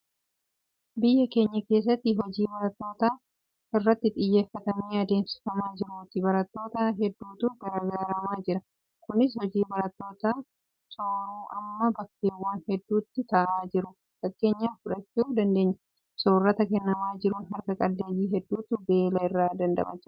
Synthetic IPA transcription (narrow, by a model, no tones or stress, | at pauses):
bɪjːɐke̞ːɲːɐke̞ːs̬ːɐt̪ːɪɦɔd͡ʒiːbɐɾɐt̪ːo̞ːt̪aː | ɪrːɐt̪ːɪt̪ʼɪjːe̞ːfːɐt̪ɐmiːɐd̪eːmsɪ̥fɐmaːd͡ʒɪɾʊt̪ɪbɐɾɐt̪ːo̞ːt̪aɦɛd̪ːuːt̪uɡɐɾɐɡaaːɾɐmaːd͡ʒɪɾɐ | kʊnɪs̬hɔd͡ʒiːbɐɾɐt̪ːo̞ːt̪aː | soːɾuːʔɐmːɐbɐkːeːwːɐnhɛd̪ːuːt̪ːɪt̪ɐʔaːd͡ʒɪɾʊ | sɐt̪ke̞ːɲːaːfʊᶑɐt͡ʃːuːd̪ɐnd̪e̞ːɲːɐ | sɔːrːɐt̪ɐkɛnːɐmaːd͡ʒɪɾʊɦɐɾkɐkʼɐlːeːjiːɦɛd̪ːuːt̪ʊbe̞ːlɐɪrːaːd̪ɐnd̪ɐ̰mɐ̰d͡ʒɪɾ